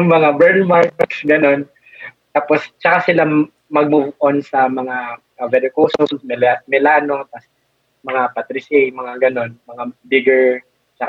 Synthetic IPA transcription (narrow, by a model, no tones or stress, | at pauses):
jʊŋmɐŋabɛɾɪmaɹkɛtsɡɐno̞n | t̪aːpost͡ʃɐkasɪla | mɐɡ̚mʊbʔonsɐmɐŋa | ɐvɛd̪ɛkowsonmɛlɛat̪̚mɛlaːno̞t̪ɐs | mɐŋapɐt̪ɾisɛjmɐŋaɡɐno̞nmɐŋabɪɡɛɹ | t͡ʃɐk